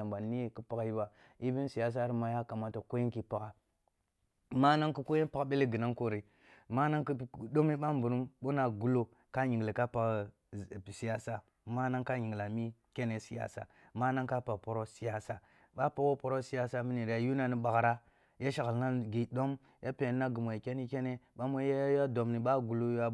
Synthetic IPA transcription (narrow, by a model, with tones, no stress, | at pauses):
a˨mba˨n˨nːi˦je˦kə˦pa˨ki˦ba˨ | i˦bi˦n˦si˨ja˨s̬a˦ɾi˨ma˨˦ja˦ka˨ma˨ta˨ko˦ji˦ki˨pa˦ka˨ | ma˦na˦ŋku˦ko˦je˦pa˦kɓe˦le˦ɡə˨na˦ŋko˨ɾi˨ | ma˦na˦ŋki˦˨ɗo˦mi˦ɓa˦mbu˨ɾu˦mɓo˦na˨ɡu˦lo˦ | ka˦ɲi˨ŋɡli˨ka˦pa˨k | si˨ja˦sa˦ | ma˦na˦ŋka˦ɲi˨ŋɡla˨mi˦ke˦ne˦si˦ja̰˨sa̰˨ | ma˦na˦ŋka˦pa˨po˨ɾo˦si˦ja˦sa˨ | ɓa˦pa˨wo˦po˨ɾo˦si˦ja˦sa˦mi˦ni˨ɾja˨ju˦na˨ni˦ɓa˨ɣɾa˦ | ja˦ʃa˨ɣə˨lna˦ɡi˨do˦m | jʔa˦pe˨˦na˦ɡə˨mo˨i˨ke˦ni˦ke˦ne˦ɓa˦mo˦a˦ja˦do˨mni˨ɓa˦ɡu˨lo˦ja˦